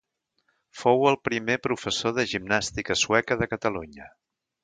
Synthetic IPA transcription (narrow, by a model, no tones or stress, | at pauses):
fowəlˠpɾimepɾufəsoðəʒimnast̪ikəswɛkəðəkət̪əluɲə